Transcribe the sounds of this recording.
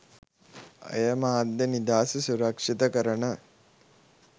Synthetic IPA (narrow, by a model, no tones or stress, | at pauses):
ɐ̰jɐmaːd̪jɐnid̪aːsusuɾɐkʂit̪ɐkɐɾɐɳɐ